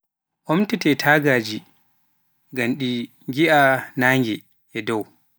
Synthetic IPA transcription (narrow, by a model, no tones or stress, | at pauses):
ʔɔmtɛtɛtʰaːɡaːd͡ʒi | ɡamɗi | ŋɡiʔanaːŋɡɛ | ʔɛdɔw